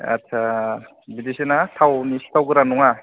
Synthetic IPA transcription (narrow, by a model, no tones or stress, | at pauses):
a̰tʰa | bidisinatʰawnisi̥t̪ʰawɡɯɾanuŋa